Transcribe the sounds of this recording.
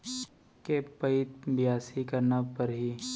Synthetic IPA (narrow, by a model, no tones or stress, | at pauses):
kepɐɪt̪bɪjaːsikɐɾnapɐɾɦiː